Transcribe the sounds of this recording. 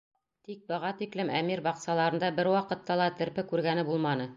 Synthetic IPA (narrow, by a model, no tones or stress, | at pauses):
t̪ik̚bɤ̆ʁɑt̪iklɘmæmiɾbɑqsɑlˠɑɾɤ̆nd̪ɑbɘɾwɑqɤ̆t̪ːɑlˠɑt̪ɘ̆ɾpɘkʉɾɡænɘbulˠmɑnɤ